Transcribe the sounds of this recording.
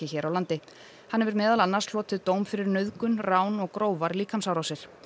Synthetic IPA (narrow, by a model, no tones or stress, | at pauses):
ɪçɛːɾʔawlant̪ɪ | hanːɛvɪɾmɛːðalanːaɾslɔːt̪ɪðt̪oːwmfɪɾɪɾnœðkʏnraːwnɔɣkɾoːwvaɾliːkʰamsawɾawsɪɾ̥